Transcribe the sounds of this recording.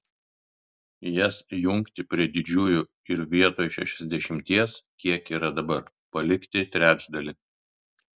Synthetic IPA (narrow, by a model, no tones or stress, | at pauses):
jɛsjʊŋkt̪ʲɪpʲɾʲiɛd̪ʲɪd͡ʒʲuːjʊ | ɪɾʋʲiɛt̪oːjʃʲɛ̰ʃʲɛzʲd̪ʲɛʃʲɪmʲt̪ʲiɛskʲiɛkiːɾɐd̪ɐbɐɾ | pɐlʲɪkt̪ʲɪt̪ʲɾʲæːd͡ʒd̪ɐlʲɪ